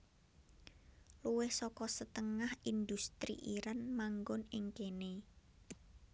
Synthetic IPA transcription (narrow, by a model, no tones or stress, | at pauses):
luwɪhsɔkɔsət̪əŋahind̪ust̪ɾḭʔiɾanmaŋɡʊnɪŋkene